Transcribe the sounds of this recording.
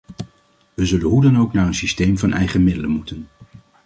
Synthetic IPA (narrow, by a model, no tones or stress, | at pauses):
ʋəzɵlənɦudɑnowknaːɹənsistejmvɑnʔɛ̰jχəmɪdələnmutən